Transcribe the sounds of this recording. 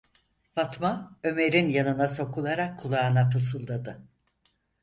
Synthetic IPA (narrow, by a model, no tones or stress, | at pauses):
vat̪maø̞me̞ɾinjanɯnaso̞kʰulˠaɾakʰːulˠaɯnapʰɯsɯlˠd̪ad̪ɯ